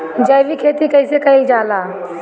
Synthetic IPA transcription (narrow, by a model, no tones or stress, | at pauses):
d͡ʒajʋikʰeːt̪ikɐisekɐĩd͡ʒaːlaː